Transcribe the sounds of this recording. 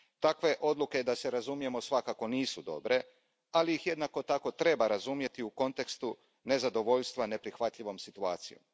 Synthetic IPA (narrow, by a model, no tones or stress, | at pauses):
t̪akʋe̞ʔo̞d̪lˠuke̞d̪ase̞ɾazumje̞mo̞sʋakako̞niːsud̪o̞̰bɾe̞ | aliixje̞d̪nako̞t̪ako̞t̪ɾe̞baɾazumje̞t̪iuko̞nt̪e̞kst̪u | ne̞zad̪o̞ʋo̞ʎst̪ʋane̞pɾixʋat̪ʎʲiʋo̞msit̪uaːt̪sijo̰m